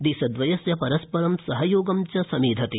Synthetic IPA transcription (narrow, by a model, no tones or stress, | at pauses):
d̪isɐd̪ʋɐjɐsjɐpɐɾɐspɐɾɐmsɐɦɐjoːɡɐmt͡ʃɐsɐmiːd̪ʱɐt̪i